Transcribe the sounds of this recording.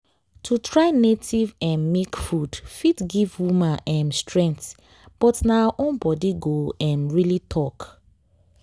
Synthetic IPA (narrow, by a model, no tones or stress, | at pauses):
tʰutʰɹaɪnetʰivɛ̃nmekfudfitɡivwumãnɛ̃mstɹɛ̃ŋkθ | b̥ɔtnaaʔõnbɔdiɡoɛ̃nɹilitʰɔk